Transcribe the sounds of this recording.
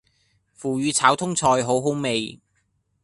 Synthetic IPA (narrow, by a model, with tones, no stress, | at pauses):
fuː˨˩ɥyː˨˧t͡sʰaː˨˥wt̪ʰʊ˥ŋt͡sʰɔː˧jɦo˨˥wɦo˨˥wme˨j